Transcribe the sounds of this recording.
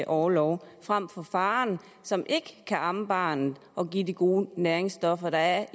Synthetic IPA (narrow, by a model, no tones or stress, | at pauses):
ʔɒːlɒʊfʁɑm̰fɒ̽fɑ̈ːn | sɒ̽mʔe̝ɡ̥əkʰæʔɑ̈məb̥ɑ̈ːnð̩ˠ | ɒ̽ɡ̥ḭːdiɡ̥o̝ːnæːɐe̝ŋsd̥ɒ̽fɐd̥ɑ̈æɐ